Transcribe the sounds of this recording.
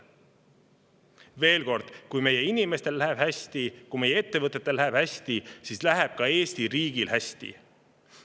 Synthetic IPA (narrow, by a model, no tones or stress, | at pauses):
ve̞ːlko̞rd̪̥kujme̞je̞inime̞st̪e̞lːæɦeb̥hæsʲt̪ikume̞jee̞t̪ːe̞vɤt̪ːˑet̪ːˑe̞lːæheb̥hæsʲt̪isiːslæɦeb̥̚kɑeːsʲt̪iɾiːɡilhæsʲt̪ḭ